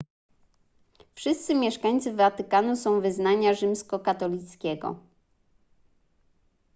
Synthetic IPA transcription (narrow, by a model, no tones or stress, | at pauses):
fʂɘst̪sɘmʲjɛʂkaɲt̪sɘvat̪ɘkanusɔ̃w̃vɘznaɲaʐɘmskɔkat̪ɔlʲit̪skʲɛɡɔ̰